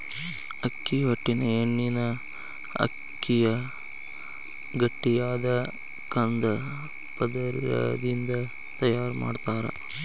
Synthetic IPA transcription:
ɐkːiʋɐʈːineeɳːinɐ | ɐ̰ | kːijɐ | ɡɐʈːijaːd̪ɐ | kɐnd̪ɐ | pɐd̪ɐɾijɐ̰d̪ind̪ɐ | t̪ɐjaːɾma̰ːɖt̪aːɾɐ̰

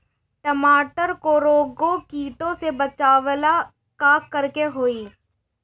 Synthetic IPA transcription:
ʈəmaːʈəɾkoɾoːɡõkiːʈõsebət͡ʃaːʋla | kaːkːɐɾkeɦoːiː

